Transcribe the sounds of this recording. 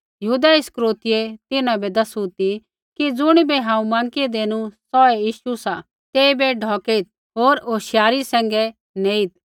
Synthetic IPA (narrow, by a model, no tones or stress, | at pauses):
jɐɦuːd̪aɪskɾoːt̪ɪjet̪ɪnãbɛd̪ɐsut̪i | kid͡zʊɽ̃ibɛɦãːũmãːŋkid̪eːnũsɔɛjiːʃusa | t̪eːibɛɖʱɔːkeit̪̚ | ɦoːɾoːʃjaːɾisɛ̃ːŋɡɛ | neːit̪̚